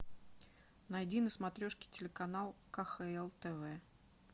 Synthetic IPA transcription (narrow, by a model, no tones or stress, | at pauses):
nɐjdʲinəsmɐt̪ɾʲoʂkʲɪ̥tʲɪlʲɪkɐn̪alˠkɐxɛɛlˠt̪ɛvɛ